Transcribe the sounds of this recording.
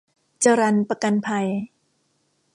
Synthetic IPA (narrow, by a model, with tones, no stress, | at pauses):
t͡ɕa˧ɾa˧npa˧ka˧npʰa˧j